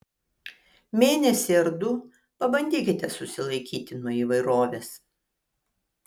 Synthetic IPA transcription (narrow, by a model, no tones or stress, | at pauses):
mʲeːnʲɛsʲɪɐɾd̪ʊ | pɐbɐnʲd̪ʲiːkʲɪt̪ʲɛsʊsʲɪlˠɐɪkʲiːt̪ʲɪnuɔiːʋɐɪɾoːʋʲeːs